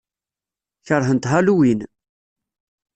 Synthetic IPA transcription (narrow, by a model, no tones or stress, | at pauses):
çəɾˤɦənt̪ɦaluwin